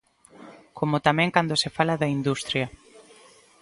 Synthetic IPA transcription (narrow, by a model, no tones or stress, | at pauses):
kʰomot̪amɛ̃ŋkand̪osefalaðɐind̪ust̪ɾjɐ